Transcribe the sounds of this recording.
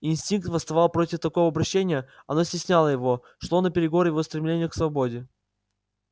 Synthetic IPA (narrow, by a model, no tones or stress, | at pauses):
ɪnsʲtʲink̚t̪vəst̪ɐvɑlˠpɾo̞tʲɪft̪ɐko̞vəɐbɾɐɕːenʲɪjəɐnosʲtʲɪsʲnʲalˠəjɪvo̞ | ʂlˠo̞nəpʲɪɾʲɪɡo̞ɾjɪvo̞st̪ɾʲɪmlʲenʲɪjəksvɐbo̞dʲɪ